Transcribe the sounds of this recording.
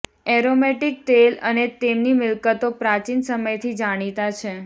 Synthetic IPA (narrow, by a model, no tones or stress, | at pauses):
ɛɾomeʈik̚t̪elənet̪emnimɪlkət̪opɾat͡ʃinsəməjt̪ʰid͡ʒaɽ̃it̪at͡ʃʰe